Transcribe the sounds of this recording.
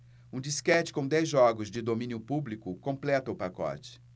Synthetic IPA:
ũd͡ʒiskɛt͡ʃɪ̥kõw̃d̪ɛjzʒɔɡʊzd͡ʒɪd̪omĩnjʊpublikʊkõplɛt̪ɐʊpakɔ̰t͡ʃɪ̥

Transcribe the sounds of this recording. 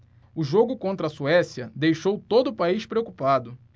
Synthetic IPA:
ʊʒoɡʊkõnt̪ɾɐsuɛsiɐd̪ejʃowt̪od̪ʊːpaiʃpɾeokupad̪ʊ

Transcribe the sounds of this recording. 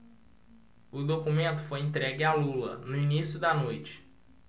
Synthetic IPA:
ʊd̪okumẽnt̪ʊ̥fojẽnt̪ɾɛɡɪalulɐ̰nʊinisjʊd̪ɐnojt͡ʃɪ̥

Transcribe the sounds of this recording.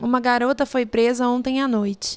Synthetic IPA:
ũmɐɡaɾot̪ɐfojpɾezɐõnt̪ẽj̃anojt͡ʃɪ̥

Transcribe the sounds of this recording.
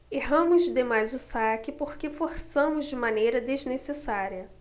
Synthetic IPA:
eɦɐ̃mʊzd̪emajzʊsakɪpoɾkefoɾsɐ̃mʊzd͡ʒɪmãnejɾɐd̪eznesesaɾiɐ

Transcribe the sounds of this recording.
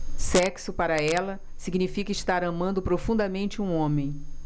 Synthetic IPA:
sɛksʊpaɾɐɛlɐ | siɡnifikɐɪʃt̪aɾɐ̃mɐ̃nd̪ʊpɾofũnd̪ɐmẽnt͡ʃɪũõmẽj̃

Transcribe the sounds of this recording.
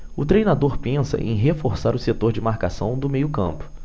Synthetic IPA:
ʊt̪ɾejnad̪oɾpẽsɐ̰ʔḛ̃j̃ɦefoɾsaɾʊset̪oɾd͡ʒɪmaɾkasɐ̃w̃d̪ʊmejʊkɐ̰̃mpʊ̥

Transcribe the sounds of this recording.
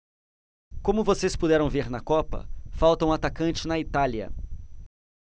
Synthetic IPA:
kõmʊvosespud̪ɛɾɐ̃w̃veɾnɐkɔpɐ̰fawt̪ɐũat̪akɐ̃nt͡ʃɪnɐit̪aliɐ̰

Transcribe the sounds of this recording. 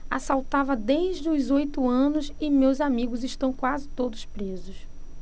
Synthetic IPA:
a̰sawt̪avɐd̪ejʒd͡ʒɪʊzojt̪ʊɐ̃nʊzɪmewzamiɡʊzɪʃt̪ɐ̃w̃kwazɪt̪od̪ʊspɾezʊs

